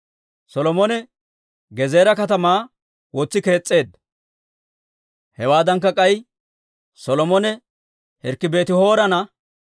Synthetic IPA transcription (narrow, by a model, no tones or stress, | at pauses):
sɔlɔmɔnɛ | ɡɛze̞ːɾɐkɐt̪ɐmaː | wɔt͡sːɪke̞ːt͡sʼːe̞ːd̪ | hɛwaːd̪ɐŋk̬ːɐkʼɐj | sɔlɔmɔnɛ | hɛɾkːɪbe̞ːt̪ɪho̞ːɾɐnɐ